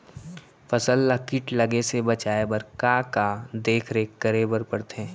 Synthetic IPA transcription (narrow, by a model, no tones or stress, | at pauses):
fɐsəlːəkɪʈlɐɡesebɐt͡ʃaːebəɾkakad̪eːkʰɾeːkːəɾebəɾpəɽt̪ɛ̃ː